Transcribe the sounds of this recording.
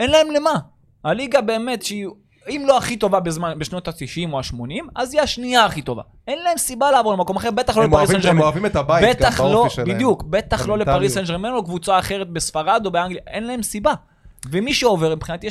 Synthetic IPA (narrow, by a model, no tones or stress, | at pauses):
enlae̞mle̞ma | haliɡabe̞ːme̞t̪ʃei | imloaχit̪o̞vabezmanbeʃno̞t̪asiʃimoaʃmo̞nimazijaʃniaːχit̪o̞va̰ | e̞nlae̞msibalaːvo̞ʁlemako̞maχe̞ʁbet̪aχloempaʁisnimoavimet̪abajbet̪aχlobid̪jukbe̞t̪aχlo̞lepaʁisend͡ʒʁimenulokvut͡saːχe̞ʁet̪̚besfaʁad̪o̞beaŋɡlijaʔe̞nlae̞msiba | vemiʃeove̞ʁmipχinat̪i